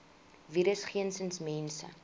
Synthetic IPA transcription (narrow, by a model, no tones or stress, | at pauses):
viɾəsχiənsənsmɛnsə̰